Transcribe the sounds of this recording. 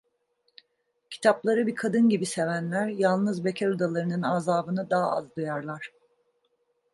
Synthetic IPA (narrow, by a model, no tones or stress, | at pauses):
cʰi̥t̪ʰaplˠaɾɯbikʰad̪ɯnɟibise̞vænlʲæɾjalˠnɯzbecʰeɾud̪alˠaɾɯnɯnaːzaːbɯnɯd̪aːa̰ʔa̰zd̪ujaɾlˠaɾ̥